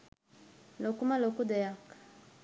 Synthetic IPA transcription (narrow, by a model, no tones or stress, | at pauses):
lɔkumalɔkud̪ɛjakḁ